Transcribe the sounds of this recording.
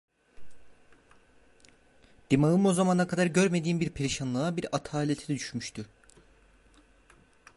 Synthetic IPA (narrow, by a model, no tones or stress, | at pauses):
d̪̥imaɯmo̞zamanakʰad̪aɾɟøɾme̞d̪iːmbiɾpʰeɾiʃanlˠaabiɾat̪ʰaːlʲet̪ʰid̪ɛd̪yʃmyʃt̪ʰy